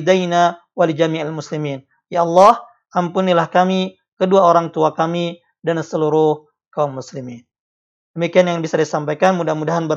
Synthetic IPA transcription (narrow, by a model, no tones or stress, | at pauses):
dajna | walid͡ʒamiʔalmuslimiːn | jaɑlːɑh | ʔampunilahkami | kəduaoɾaŋt̪uakami | dansəluɾʊh | kaumːuslimin | dəmikianjaŋbisadisampajkanmudahmudaɦanbə